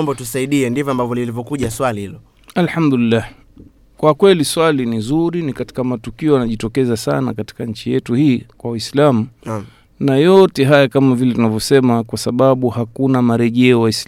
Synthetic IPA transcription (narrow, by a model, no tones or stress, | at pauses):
mbɔtusaiɗiɛndivɔambavɔlilivjɔkuʄaswalihilɔ | alħamd̪ulilːah | kwakwɛliswalinizuɾinikati̥kamatukiɔanaʄitɔkɛzasa̰na̰kati̥kaɲ̩t͡ʃijɛtuhiːkwawaislamu | najɔtɛɦajakamavilɛtunavjɔsɛmakwasaɓaɓuhakunamaɾɛʄɛɔwais